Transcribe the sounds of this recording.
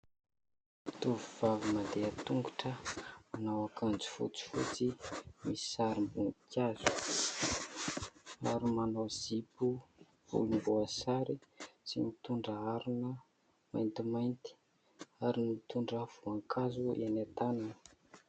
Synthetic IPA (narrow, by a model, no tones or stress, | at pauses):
t̪uvuv̥avimad̪eət̪uŋɡuʈ͡ʂəanawakʰand͡zi̥fṵt͡si̥fut͡simisi̥saɾimbunkʰjazu̥ | aɾimanoz̥ipu | v̥ṵlumbuasaɾisimit̪uɳɖ͡ʐəaɾunə | ma̰jnt̪imajnt̪i̥ | aɾinit̪uɳɖ͡ʐəv̥uaŋkʰazuenat̪ananə̥